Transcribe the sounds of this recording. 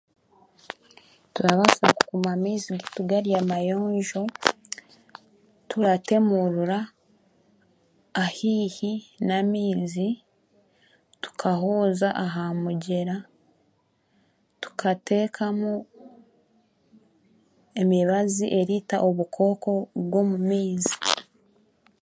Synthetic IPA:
tuɾaβasaku̥kumamiːziɡituɡaɾijamajo̞ːɲʒo̞ | tʰuɾate̞muɾuɾa | hiːhinamiːzi | tu̥kʰaɦoːzaʔaɦamuɟe̞ɾa | tu̥kʰate̞ːkʰamu | e̞miβaziʔe̞ɾitaʔo̞βukʰo̞ːko̞βwo̞mumiːzi̥

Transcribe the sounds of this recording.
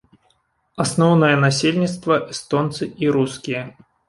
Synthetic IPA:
asnɔwnɐjɐnasʲelʲnʲit̪st̪vɐʔɛst̪ɔnt̪sɨiɾuskʲijɐ

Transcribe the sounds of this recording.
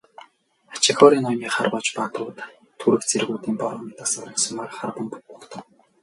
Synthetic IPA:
at͡ɕɪ̆xɔɾiːnɔmiːχarpɔːt͡ɕpat̪ʊːt̪ | t̪ʰːuɾɘ̆kt͡sʰeɾɣuːt̪iːmpɔɾɔmʲint̪asaɾiːnsʊmakχarpə̆mppɔɮt̪ə̆w

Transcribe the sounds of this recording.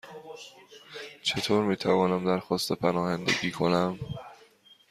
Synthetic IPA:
t͡ʃʰe̞t̪ʰoːɾmiːt̪ʰævɒːnæmd̪æɾxɒːst̪ʰepʰænɒːhænd̪ḛɡiːkʰo̞næm

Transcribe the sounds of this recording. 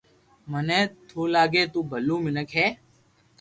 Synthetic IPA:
mənẽːt̪ʰoːlaːɡeːt̪uːbʱəlːũːmɪnəkɦɛː

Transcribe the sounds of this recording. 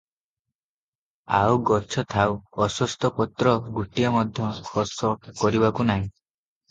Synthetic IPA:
a̰wɡɔt͡ʃʰɔt̪ʰawɔsɔst̪ɔpɔt̪ɾɔɡuʈiɔmɔd̪ʱjɔkʰɔsɔkɔɾibakunaɦĩ

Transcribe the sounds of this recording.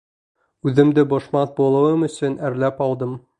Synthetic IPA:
ʉðɘ̆md̪ɘbŏʃmɑθbulˠɤ̆wɤmɵ̆sɵnæɾlæpɒlˠd̪ɤm

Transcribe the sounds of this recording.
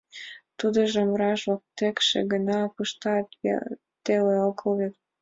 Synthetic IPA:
t̪ud̪ə̆ʒəmɾɑʒok̚t̪ekʃḛɡə̆nɑpəʃt̪ɑt̪ | t̪eleolkʰɤlβet̪̚

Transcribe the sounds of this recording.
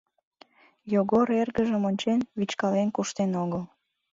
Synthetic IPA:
joɣoɾerɣəʒəmonʲt͡ɕenβit͡ɕkɑlenkuʃt̪enoɣəl

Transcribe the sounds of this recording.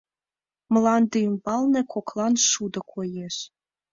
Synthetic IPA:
mlˠɑnd̪ijmbɑlˠnɤ̆kʰoklˠɑnʃud̪ɤ̆kʰojeʃ

